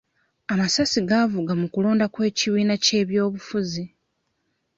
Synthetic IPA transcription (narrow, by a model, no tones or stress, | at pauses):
amasasiɡavuɡamukulo̞ːndakwe̞ːciβiːnace̞ːβjo̞ːβufuzi